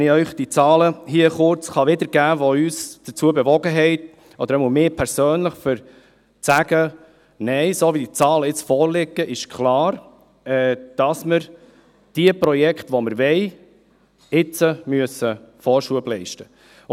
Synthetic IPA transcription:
nɪœʏχd̥it͡sɑːləɦiəχʊɾt͡sχɑʋɪd̪əɾɡ̥æːvoyːsd̥ət͡suəbɛvɔɡəɦɛɪt | ɔd̥̪əɾmumɪːpʰɛɾsøːnləχfəɾ | t͡sæɡ̥ə | nɛɪsoːvid̥it͡sɑːləɪt͡sfɔːɾlɪɡːəʔɪʃkʰlɑːɾ | ɛd̥ɑsməɾ | d̥iəpɾɔjɛkχtʋɔməɾvɛɪ | ɪt͡səmyəsəfɔːɾʃuəblɛɪʃtə

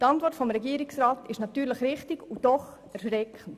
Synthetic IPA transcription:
tɑntʋɔrtfɔmɾɛɡiəɾɪksɾaːtɪʃnɑtyːɾləχɾɪχtiɡud̥ɔχ | ɛɾʃɾɛkʰən̩

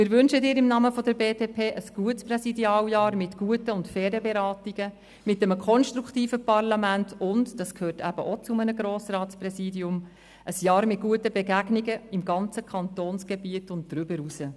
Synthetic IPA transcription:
mɪːɾvʏnʃədɪːɾɪmnɑməfɔdəɾbeːdeːpʰeːʔəsɡ̥uətspɾɛsidiɑːljɑːɾmɪtɡ̥uətəʊntfɛːɾəbɛɾɑːtiɡ̥ə | mɪtːɛməkʰɔnʃtɾuktiːfəpɑrlɑmæntʰʊntd̥ɑskʰhøːtʰæb̥əʔot͡sʊmənəɡɾoːsrɑːtsprɛsiːdiʊm | ʔəsjɑːɾmɪt̚ɡ̥uətəbɛɡæɡniɡəɪmɡɑnt͡səkʰɑntoːnsɡ̥ɛbiətʊnt̚d̥ɾʏbəɾusə

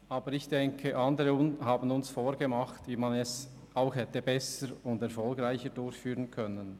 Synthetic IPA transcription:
ɑːbəɾɪçd̥ɛŋkʰəʔɑndəɾəʊnɦaːbən̩ʊnsfoːɾɡemɑχtviːmanɛs | aʊxhɛtəbɛsəɾʊndɛɐɾfɔlɡʁaɪçədʊɾçfyːʁənkʰœnən

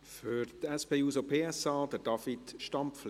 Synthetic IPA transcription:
fʏɾtɛspeːuːsopʰeːɛsɑːd̥əɾd̥ɑfitʃtɑmpfl

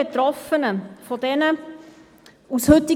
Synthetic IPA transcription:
et̪ɾɔfənəfɔdɛnə | ushʏti

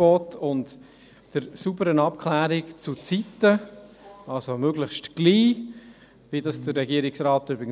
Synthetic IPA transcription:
ɔtʰʊnt | d̥əɾsubəɾənɑp̚kʰχlæːɾɪkt͡sut͡sitːə | ɑlsomøɡləχʃtɡ̥liː | vidɑsd̥əɾɾɛɡiəɾɪksrɑːtʏbɾɪɡən

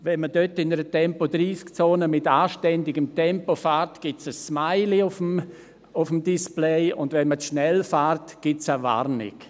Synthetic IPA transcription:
vɛnmədøtɪnəɾətɛmpod̪ɾiːskt͡soːnəmɪtaːʃtɛndɪɡəmtɛmpofaːɾtɡ̥ɪt͡səsːmaɪliʊfm | ʊfəmdisplɛɪʊ̰ndvɛnməʃnɛlfaːɾtɡ̥ɪtsəva̰ɾnɪ̰k

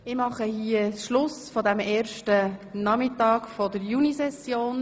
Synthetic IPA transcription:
ɪmɑχəhiəsʃlʊsfɔdæmɛːɾʃtənɑmɪtɑːkfɔdəɾjunisɛsjoːn

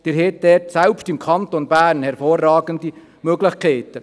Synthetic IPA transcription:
d̥ɪɾɦet̚d̥ɛtsɛlpʃtɪmkʰɑnt̪onbæːɾnhɛɾfoːrːɑːɡ̥ənd̪i | møɡlɪχkʰeɪt̪ə

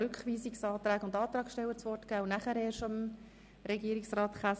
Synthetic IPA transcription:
ʉkχʋiːsiksɑːt̪ɾæːɡʊndɑːt̪ɾɑːksʃtɛwət͡sʋɔrtkæːʊnæχəɾɛːɾʃom | ɾɛɡiəɾiksrɑːtχæ

